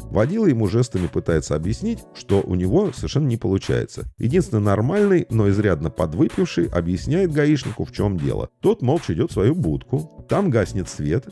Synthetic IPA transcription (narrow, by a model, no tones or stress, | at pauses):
vɐdʲilˠjɪmuʐɛst̪əmʲɪpɨt̪ajɪt̪səɐbjɪsʲnʲitʲʂt̪o̞ʔʊ̰nʲɪvo̞səvʲɪrʂɛnːənʲɪpəlˠʊt͡ɕæ̰jɪ̰t̪sə̰jɪ̰dʲinsʲɪnənɐrmalʲnɨjno̞ɪzɾʲad̪nəpɐd̪vɨpʲɪfʂɨjʔɐ̰bjɪsʲnʲæjɪt̪̚ɡɐiʂnʲɪkʊft͡ɕo̞mdʲe̞̰lˠə̰t̪o̞t̪molˠt͡ɕɪdʲo̞t̪svɐjubut̪kʊt̪amɡasʲnʲɪt̪svʲe̞t̪